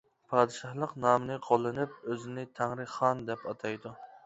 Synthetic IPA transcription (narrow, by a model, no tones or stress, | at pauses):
pʰɑːd̪ɨʃɑhlˠəqnɑːmɨnɨqʰolˠːɨnɪp̚øzɪnɪt̪ʰæŋɾɨχɑnd̪ɛpɑt̪ʰɑjd̪u